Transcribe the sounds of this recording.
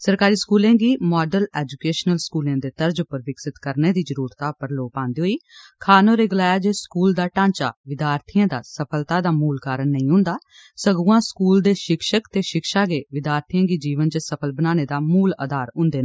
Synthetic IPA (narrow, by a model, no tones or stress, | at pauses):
səɾkaːɾiːskuːlẽːɡiːmaːɖəlɛːd͡ʒukeːʃnəlskuːlãːd̪eːt̪əɾd͡ʒʊpəɾʋɪksɪt̪kəɾneːd̪iːzəɾuːɾt̪aːpəɾloːpãːnd̪iːɦoːiːkʰaːnoːɾeːɡəlaːjaːd͡ʒeːskuːld̪aːʈãːɲt͡ʃa̰ːʋɪd̪jaːɾt̪ʰijãːd̪a̰ːsəpʰəlt̪aːd̪aːmuːlkaːɾənːəĩːɦʊ̃nd̪aː | səɡũːãːskuːld̪eːʃɪkʃəkt̪eːʃɪkʃaːɡeːʋɪd̪jaːɾt̪ʰijãːɡiːd͡ʒiːʋənt͡ʃəsəpʰəlbənaːneːd̪aːmuːlə̰d̪aːɾɦʊ̃nd̪eː